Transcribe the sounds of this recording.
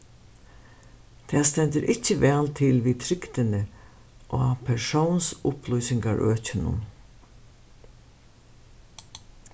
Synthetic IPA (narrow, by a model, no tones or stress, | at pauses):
t̪ʰeːst̪ɛnt̪əɾʔɪcːəʋɛːlt̪ʰɪlʋiːt̪ʰɾɪkt̪ɪnə | ʔoːɑpʰɛʂownsʊpʰlujsɪŋɡɑɹʔø̰ːcɪnʊ̰n